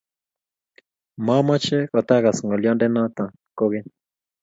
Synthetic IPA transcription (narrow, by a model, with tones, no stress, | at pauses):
ma˦mɔ˦t͡ʃɛ˦kɔ˨t̪a˦ɣa˨sŋɡɔ˨ljɔ˦ndɛ˦na˦t̪a˨ | ko˦ɣe˦